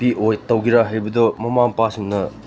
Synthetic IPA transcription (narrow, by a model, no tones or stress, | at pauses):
piʔojtɐwɡiɾaɦɐjbɐdɔmɐmaŋpasimnɐ